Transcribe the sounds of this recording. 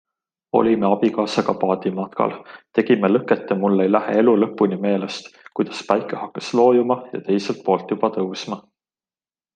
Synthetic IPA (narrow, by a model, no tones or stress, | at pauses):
o̞̰lʲimeɑb̥ikɑːsɑɡ̥ɑpɑːd̪̥imɑt̪kɑ̰lt̪e̞ɡ̥imelɤkːet̪ːˑemulːejlæhḛe̞lulɤpːˑunime̞ːlest̪kujd̪̥ɑspɑjkːˑehɑkːɑ̥slo̞ːjumɑjɑ̰t̪e̞jselt̪̚po̞ːlt̪jub̥ɑt̪ɤwsmɑ